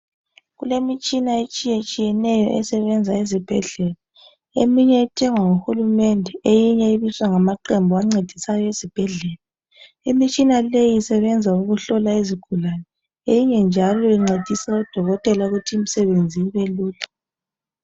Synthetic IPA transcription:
ɣulemit͡ʃʼinaet͡ʃʼijet͡ʃʼijɛnɛjɔ̰ʔɛsɛβɛnd͡zʱaizib̥ʱɛɮɛla | ḛmiɲɛːtʰɛŋwaŋuxulumɛndʱɛejiɲɛiβiswaŋamaǃɛmbʱɔaŋ͡ǀed̥ʱisajɔezib̥ʱɛɮɛːla | imit͡ʃʼinalejisɛβɛnd͡zʱauɣuɬɔlaiziɡ̥ʱulanɛ | ejiɲɛnd͡ʒʱalɔiŋ͡ǀed̥ʱisaud̥ʱɔɣɔtʼɛlauɣutʰiːm̩sɛβend͡zʱiiβɛluːla

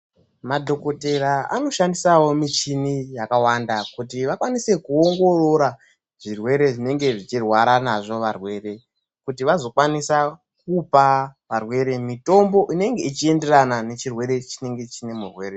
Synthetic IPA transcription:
madʱo̞kote̞ɾaa̰no̞ʃandisawo̞mit͡ʃinijakawandakutiʋakwanise̞kuoŋɡo̞roɾa | ʐ̥irwe̞ɾe̞ʐine̞ŋɡe̞ʐit͡ʃirwaɾanaʐo̞ʋarwe̞ːɾe̞ | kutiʋazo̞kwanisa | k̚upaʋarwe̞ɾe̞mito̞mbo̞ʔine̞ŋɡe̞it͡ʃie̞nde̞ranane̞t͡ʃirwe̞ɾe̞t͡ʃine̞ŋɡe̞t͡ʃine̞murwe̞ːɾe

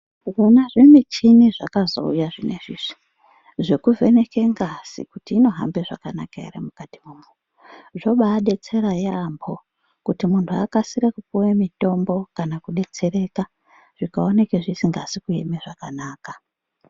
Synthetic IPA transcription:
ronaʐimit͡ʃiniʐakazo̰ṵjaʐine̞ʐiʐi̥ | ʐe̞kuve̞ne̞ke̞ŋɡasḭkutiːno̞ɦa̰mbeʐa̰kana̰kaḛɾemukatimumu | ʐo̞ɓaːɗe̞t͡se̞ɾajambo̞ | kutimuntʰuakasiɾekupuwemito̞mbo̞kanakuɗe̞t͡se̞ɾe̞ːka | ʐ̥ikaone̞keʐisiŋɡasikuemeʐakanaːka

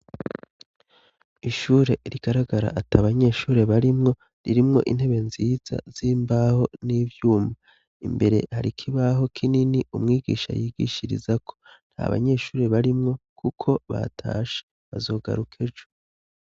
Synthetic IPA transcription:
iʃuːɾe̞ɾiɡ̥aɾaɡaɾa̰ʔatʰaβaɲe̞ːʃuːɾe̞βaɾimŋo̞ | ɾiɾimŋo̞ʔin̥he̞βe̞nziːz̥a̰z̥iːmbaho̞nivjuːma | imbe̞ɾe̞̰haɾikʰiβaɦo̞kʰininiumŋiːɡḭːʃa̰jiːɡḭːʃiɾḭzakʰo̞̥ | n̥ha̰βa̰ɲe̞ːʃuːɾe̞βaɾimŋo̞kʰukʰo̞βa̰tʰa̰ːʃe̥ | βazo̞ːɡa̰ɾukʰe̞d͡ʒo

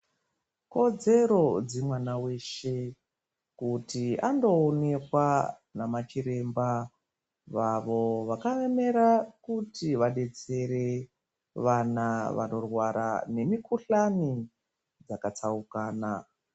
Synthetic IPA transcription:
ko̞d͡ze̞ɾo̞d͡zemwanawe̞ʃe̞ | kutiando̞ːne̞kwa | namat͡ʃiɾe̞mba | ʋaʋo̞ʋakaʋeme̞ɾakutiʋaɗe̞t͡se̞ɾe̞ | ʋanaʋa̰no̞rwaɾa̰ne̞mikuɬani | d͡zakat͡saukaːna

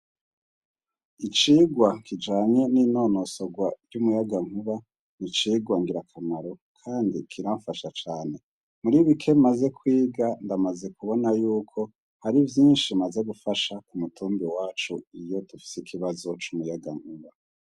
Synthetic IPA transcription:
it͡ʃiːɡwakid͡ʒaːɲe̞nino̞no̞soɡwajumujaɡaŋ̥huβa | nit͡ʃiːɡwaŋɡiɾakʰamaɾo̞kʰaːndikʰiɾaɱfaʃat͡ʃaːne̞ | muɾiβikʰe̞maze̞kwiːɡandamaze̞kuβo̞najuːkʰo̞ | haɾivjiːnʃimaze̞ɡufaʃakumutʰuːmbiwaːt͡ʃuijo̞tufi̥sikʰiβazo̞t͡ʃumujaɡaŋ̥huβa

